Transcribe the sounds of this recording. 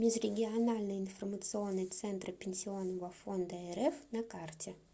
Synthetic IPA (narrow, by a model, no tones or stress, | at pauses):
mʲɪzɾʲɪɡʲɪanalʲnɨjɪnformət̪sɨonːɨjt̪sɛnt̪ɾəpʲɪnʲsʲɪonːəvɐfond̪əɛɾɛfnɐkartʲɪ